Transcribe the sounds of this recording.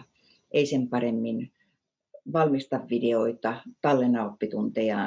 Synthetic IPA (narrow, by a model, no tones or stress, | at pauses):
ʔeisempɑremːin | ʋɑlmist̪ɑʋʋideoit̪ɑt̪ɑlːenɑopːit̪unt̪ejɑːˑ